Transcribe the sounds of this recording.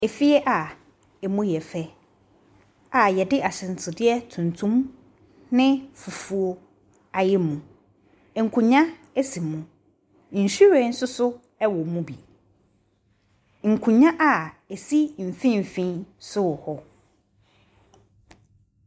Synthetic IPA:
ɛ˨fi˦ɛ˦ʔa˨ | ɛ˨mũ˦jɛ˨fɛ˦ | a˨jɛ˨dɪ˦ʔa˨ɕɪ̃˨n̩˨tʰɪ˨dɪ˦ɛ˦tʰũ˨ntʰũ˦m | nɪ̃˦fu˨fu˨o˨ | a˨jɛ˦mũ˨ | ŋ̩˨kʰũ˨ɲã˦ | ɛ˦sĩ˨mũ˨ | n̩˨ɕi˦ɾɛ̃˨˦n̩˦sʊ˦sʊ˦ | ɛ˦wɔ˨mũ˦bi˨ | ŋ̩˨kʰũ˨ɲã˦ʔa˨ɛ˨si˦m̩˨fĩ˦m̩˨fĩ˦nsʊ˦wɔ˨hɔ˦

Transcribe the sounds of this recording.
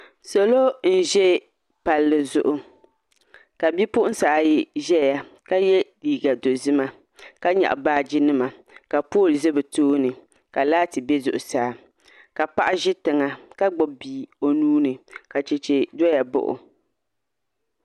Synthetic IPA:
so˨lo˦n̩˦ʒɛ˦ | pa˨lːɨ˨zʊ˨ʔʊ˨ | ka˨bi˦pʊ˦ʔʊ˦n˦saː˨ji˨ʒɛ˦ja˨ka˦jɛ˦liː˨ɡa˨do˨zɨ˦ma˦ | ka˦ɲɛ̰˨ʔbaː˦d͡ʒɪ˦nɨ˦ma˨ | ka˨poː˦˨lzɛ˦bɨ˨toː˦nɨ˨ | ka˨laː˦tɨ˨bɛ˦zʊ˨ʔʊ˨saː˨˦ | ka˨pa˦ʔʒɪ˦tɨ˨ŋa˨ka˦ɡ͡bʊ˨biː˨o˨nuː˦nɨ˨ka˨t͡ʃɛ˨t͡ʃɛ˨do˦ja˨bʊ̰˦˨ʔʊ̰˨

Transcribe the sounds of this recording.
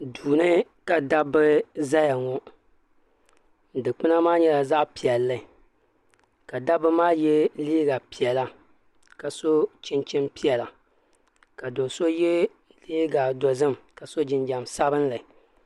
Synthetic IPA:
duː˨nɨ˦ka˨da˦bɨ˦za˦ja˨ŋɔ˨ | n˨dɨ˨k͡pɨ˦na˦maː˦ɲɛ˦la˨za˦ʔpi˨ɛ˨lːɨ˨ | ka˨da˦bɨ˦maː˦jɛ˦liː˦ɡa˨pi˨ɛ˨la˨ | ka˨so˦t͡ʃɪ˦nt͡ʃɪ˦mpi˦ɛ˨la˨ | ka˨do˨so˦jɛ˦ | liː˦ɡa˨do˨zɨ˦mka˨so˦d͡ʒɪ˨nd͡ʒa˨msa˦bɨ˦n˦lɨ˨

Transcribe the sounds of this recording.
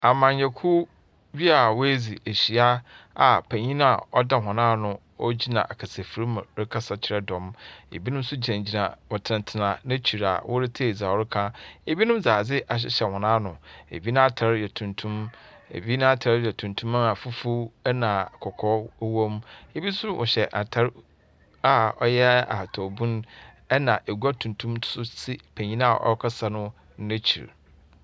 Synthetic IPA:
a˨mã˨ɲ̩˦ɛ˨kʰu˦ | bi˦a˨wo˦e˦d͡zi˨e˨ɕi˨a˦a˨pʰæ̃˨ɲĩ˦nã˦a˨ɔ˦da˦ɦɔ̃˨nãː˦˨nʊ̃˦ | ɔ˦d͡ʑi˦nã̰˨ʔa˨kʰa˨se˨fi˨ɾi˦m̃˨ɾɪ˦kʰa˦sa˦t͡ɕʰɪ˨ɾɛ˦dɔ̃˨˦mḛ˨bi˦nʊ̃˦m˦sʊ˦d͡ʑæ̃˨ɲd͡ʑi˨nã̰˨bɔ˨tʰɪ˨nɪ̃˨tʰɪ˨nã˨nɪ̃˦t͡ɕʰi˨ɾa̰˨wʔʊ˦ɾɪ˦tʰe˦˨d͡za˨ɔ˨ɾɪ˦kʰã˦e˨bi˦nʊ̃˦m˦d͡zaː˨d͡zɪ˦ʔa˨ɕ̬ɪ̰˦ɕɛ˨hɔ̃˨nãː˦nʊ̃˨ḛ˨bi˦nã˦a˦tʰa˨ɾjɛ˨tʰũ˨ntʰũ˦m | ḛ˨bi˦nã˦a˦tʰa˨ɾjɛ˨tʰũ˨ntʰũ˦mã˦a˨fu˦fu˦nã˨kʰɔ˨kʰɔ˦wõ˦me˦bi˦sʊ˦wʔɔ̰˨ɕɛ˨ʔa̰˨tʰa˦ɾ | a˨ɔ˦jɛ˦a̰˨tʰɔ˨bũ˦n | ɛ˦nã˨ʔe˨ɡʷa˦tʰũ˨ntʰũ˦msʊ˦sɪ˦pʰæ̃˨ɲĩ˦nã˦a̰˨ʔɔ̰˦kʰa˦sa˦nʊ̃˦ | nẽ˦t͡ɕʰḭ˨ɾ

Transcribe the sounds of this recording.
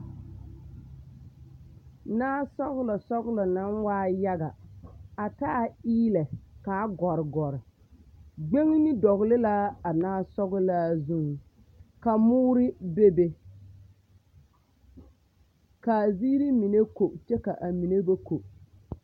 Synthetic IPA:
naː˦sɔ˦ɣʊ˦lɔ˨sɔ˦ɣlɔ˨na˦nwaː˦ja˦ɡa˨a˨taː˦˨iː˦lɛ˨ka˨˦ɡɔ˨ɾɪ˨ɡɔ˨ɾɪ˨ | ɡ͡be˦ŋ˦nɪ˦dɔ˨ɣlɪ˦la˦a˨naː˦sɔ˦ɣʊ˦la˦zu˦ŋ˨ | ka˨mʊː˦ɾɪ˦be˦be˦ | ka˨ziː˦ɾi˦mi˨ne˦ko˨t͡ʃɛ˦ka˨ʔa˨mi˨ne˦ba˦ko˨

